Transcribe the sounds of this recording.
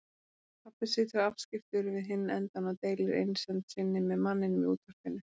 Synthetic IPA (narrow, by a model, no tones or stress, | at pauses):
pʰapɪsit̪ʏav̥scɪft̪ʏɾvɪðɦɪnːɛnt̪anat̪eːjlɪɾḛjnsɛnt̪sɪnːɪmɛðmanːɪnmɛuːt̪aɾ̥kɪnːɪ